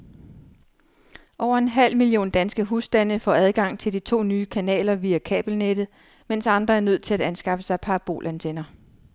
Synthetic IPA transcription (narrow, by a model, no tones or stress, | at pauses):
ʔɒʊ̰ɐe̝nɦæl̰milio̝̰ːnd̥ænsɡ̥əɦusd̥ænəfɒ̰ːæð̞ˠɡ̥ɑ̈ŋ̰t͡sʰe̝ldit͡sʰo̝̰ːnyːkʰænɛ̰ːlɐʋiːækʰɛ̰ːb̥l̩ned̥ð̩ˠ | mensɑ̈nd̥ʁɐæɐnøð̞̰ˠt͡sʰe̝læd̥ænsɡ̥ɑ̈fəsɑ̈ɪpʰɑ̈ːb̥o̝̰ːlʔænt͡sʰenɐ